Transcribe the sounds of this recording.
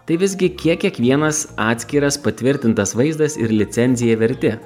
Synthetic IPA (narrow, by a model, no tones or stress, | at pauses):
t̪ɐɪʋʲɪzʲɡʲɪkʲiɛkkʲiɛkʋʲiɛnɐsɑːt̪ʲsʲkʲiːɾɐspɐt̪ʲʋʲɪɾʲt̪ʲɪnt̪ɐsʋɐɪzd̪ɐsɪ̰ɾlʲɪt̪sʲɛnʲzʲɪjɛʋʲɛɾʲt̪ʲɪ